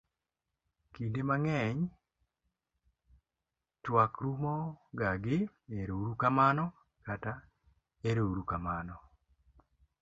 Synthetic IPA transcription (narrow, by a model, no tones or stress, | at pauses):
kindimaŋɛɲ | twakɾumɔɡaɡɪ | eɾouɾukamanɔ | kata | eɾoɾukamanɔ